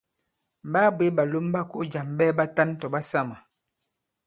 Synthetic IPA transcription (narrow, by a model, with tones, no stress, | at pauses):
ba˦bwe˦ba˨lo˦mba˦ku˦ʔd͡ʒa˨mbɛ˦ba˦ta˦n˦tɔ˨ba˦sa˦ma˨